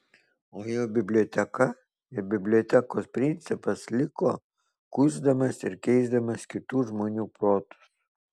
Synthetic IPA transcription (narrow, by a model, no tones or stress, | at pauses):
oːjoːbʲɪbʲlʲɔːt̪ʲɛkɐ | ɪbʲɪbʲlʲɔt̪ʲɛkoːspʲɾʲɪnʲt̪sʲɪpɐslʲɪkoː | kʊzd̪ɐmɐsɪɾkʲɛɪzd̪ɐmɐskʲɪt̪uːʒmoːnʲuːpɾoːt̪ʊ̥s